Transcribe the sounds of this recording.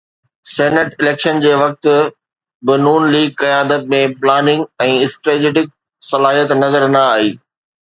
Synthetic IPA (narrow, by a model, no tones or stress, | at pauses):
seːnəʈɪleːkʃənd͡ʑeːʋɐk̚t̪ʊ̆ | bɪnuːnliːɡ̚kɐjaːd̪ət̪̚mẽplaːnɪ̃ŋɡɛ̃ːɪsʈɾeːd͡ʑeːɖɪk̚ | sɐlaːɦijət̪nɐzəɾnɐaːɦiː